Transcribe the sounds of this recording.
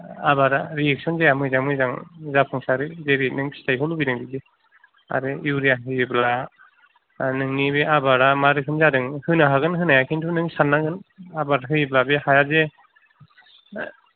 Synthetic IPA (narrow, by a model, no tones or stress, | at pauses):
abaɾaɾiek̚sɔnzejamɯzamɯzaŋzapʰɯŋsaɾɯzeɾinɯŋpʰi̥stʰajɦɔlubiɾɯŋbibi | a̰ɾɯiwɾijaɦɯjbla | nɯŋnibeabaɾamaɾɯkʰɯmzadɯŋhɯnaɦaɡɯnɦɯnajakʰintʰunɯŋsanːaɡɯnabaɾaɦɯjblabehajaze